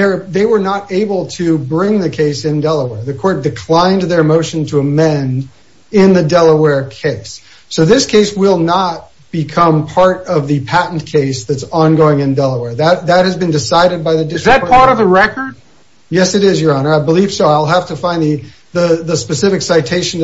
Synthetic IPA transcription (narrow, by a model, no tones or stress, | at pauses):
ðə˞ðeɪwə˞nəɾeɪbl̩ˠtʰɨbɹɪ̃ŋðɨkʰeɪsɨ̃ndɛlˠəwɛɹðɨkʰɔɹt̚d̥ɨkʰl̥ãɪ̃nðə˞moʊʃɨ̃n̩tʰəəmɛ̃nd | ɪ̃nðɨdɛlˠəwɛɹkʰeɪsː | oʊðɪskʰeɪswɪlˠnət̚ | b̥ɨkʰʌ̃mpʰɑɹɾʌvðɨpʰæʔn̩kʰeɪsðɨtsɑ̃nɡoʊɪ̃ŋɨ̃ndɛlˠəwɛɹðɨt̪̚ðɨt̚hɨzbɨ̃ndɨsaɪɾɨd̚baɪðɨdɪzðɨt̚pʰɑɹɾʌvðɨɹɛkə˞d̥̚ | jɛsɨɾɪzjə˞ɑ̃nə˞aɪbəliv̥soʊaɪlˠɦæftɨfãɪ̃nðɨ | ðəðəspɨsɪfɨksaɪtʰeɪʃɨ̃n